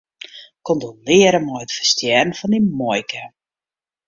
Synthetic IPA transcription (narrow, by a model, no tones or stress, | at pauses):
kondolɪəɾəmɔjətfə̥rstjɛrən̩fɔnimɔjkʰə